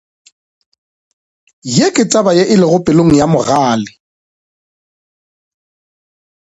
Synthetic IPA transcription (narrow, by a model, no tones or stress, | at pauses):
jekʼɪt͡sʼabajeʔɪlɪɣʊpʼɪloŋ̩jamʊɣaːlɪ